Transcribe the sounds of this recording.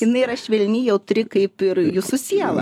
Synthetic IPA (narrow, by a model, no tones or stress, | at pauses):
jɪnɐɪɪɾɐʃʋʲɛlʲnʲɪjɛʊt̪ʊɾʲɪkɐɪpɪɾjʊsʊsʲiɛlˠɐ̰